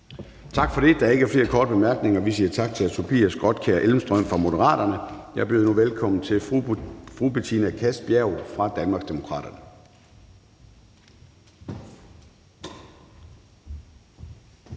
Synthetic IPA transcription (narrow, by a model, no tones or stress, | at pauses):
t͡sʰɑ̈ɡ̥fɒ̽ɾ̥e̝d̥ɑ̈æɐe̝ɡ̥æɐfle̝ːɐkʰɒːd̥əb̥emæɐɡ̥ne̝ŋɐʋisiːɐt͡sʰɑ̈ɡ̥̚t͡sʰe̝læt͡sʰopʰḭːæsɡ̥ʁɒd̥kʰeɐʔelm̩sd̥ʁœm̰fʁɑ̈mo̝d̥əʁɑ̰̈ːɾ̥ɐnəjɑ̈ɪɐb̥e̝ːð̩ˠnuʋelkʰɒ̽m̰n̩t͡sʰe̝ | fʁub̥et͡sʰinækʰæsb̥jæʊfʁɑ̈d̥ænmɑ̈ɡ̥sd̥e̝mo̝kʰʁɑ̰̈ːd̥ɐnə